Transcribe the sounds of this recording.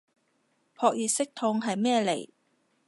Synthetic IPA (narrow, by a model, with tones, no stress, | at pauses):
pʰɔː˧k̚jiː˨t̚sɪ˥k̚t̪ʰʊ˧ŋɦɐ˨jmɛː˥˧le˨˩j